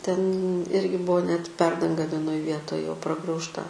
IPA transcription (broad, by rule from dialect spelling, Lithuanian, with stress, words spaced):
tʲɛn ˈɪrʲɡʲɪ ˈbʊʋoː nʲɛt ˈpʲɛrdɐŋɡɐ ʋʲiɛˈnoːj ˈʋʲiɛtoːj jɛʊ prɐɡrɐʊʃˈtɐ